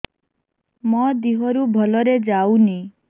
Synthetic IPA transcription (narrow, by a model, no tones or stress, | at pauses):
mɔd̪iɦɔɾubʱɔlɔɾed͡ʒawni